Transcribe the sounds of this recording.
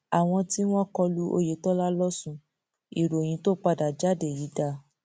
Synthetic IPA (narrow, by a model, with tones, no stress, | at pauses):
a˨w̃ɔ̃˧ti˦w̃ɔ̃˦kɔ˧lu˦ʔo̰˧je˨tɔ˦la˦lɔ˦sũ˦˨ | i˨ɾo˨j̃ĩ˧˦to˦k͡pa˧da˨d͡ʒa˨˦de˨ji˨˦da˧˨